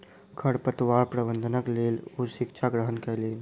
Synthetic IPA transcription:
kʰəɽpət̪waɾpɾəbənd̪ʱənəklelosikt͡ʃʰaɡɾəɦənkɛlen

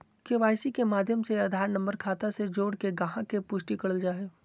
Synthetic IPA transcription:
keʋaːjsikemaːd̪ʱjəmseɐd̪ʱaːɾnə̃mbəɾkʰaːt̪ased͡ʒoːɽkeɡɐɦãkepʊʃʈikɐɽəld͡ʒaːe

